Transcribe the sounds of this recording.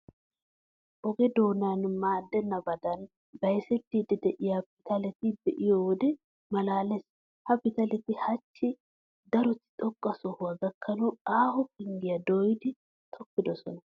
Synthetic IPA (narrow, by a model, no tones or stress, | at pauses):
ʔɔɡɛd̪o̞ːnanmaːd̪ːɛnːɐbɐd̪ɐn | bɐjsɛt̪ːiːd̪ɛd̪ɛʔɪjapɪt̪ɐlɛt̪ɪdɛʔɪjɔwɔd̪ɛ | mɐlaːlɛs | hɐpɪt̪ɐlɛt̪ɪhɐt͡ʃːɪ | d̪ɐɾɔt̪ːɪ̥t̪ʼɔkʼːɐsɔhʊwaɡɐkʰːɐnɔaːhɔpɪŋɡɪjɐd̪oːjd̪ɪ | t̪ʰɔkːɪd̪ɔsɔ̰nɐ